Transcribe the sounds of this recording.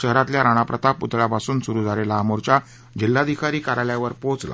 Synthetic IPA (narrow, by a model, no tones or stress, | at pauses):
əɦɾãt̪ljaɾaɽ̃apɾət̪aput̪ɭapasuːnsuɾud͡zʱaɾelamoɾt͡ɕa | d͡ʑilːad̪ikʰaɾiːkaɾaljaʋəɾpot͡sla̰